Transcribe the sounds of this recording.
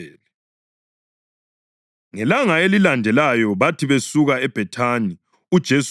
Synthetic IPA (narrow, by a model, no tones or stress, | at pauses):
ɛːlɛ | ŋɛlaŋaelilandʱɛlajɔβatʰiβesuɣaɛb̥ʱɛtʰani | ud̥ʒ̥ʱes